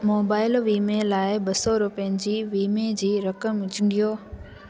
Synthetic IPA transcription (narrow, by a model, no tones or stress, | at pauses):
moːbaːɪlʋiːmelaːɪbɐsɔɾʊpijənɪ̆d͡ʑiːʋiːmed͡ʑiːɾɐkəmʊd͡ʑɪŋɡijoː